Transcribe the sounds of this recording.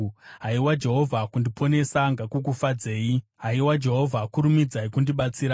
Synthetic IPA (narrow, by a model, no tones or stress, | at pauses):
ɦaiwad͡ʒe̞ɦo̞vʱakundipʰo̞ne̞saŋɡakuk̬ufad͡ze̞ːiɦaiwad͡ʒe̞ɦo̞vʱakuɾumid͡zaikundiɓat͡siːɾa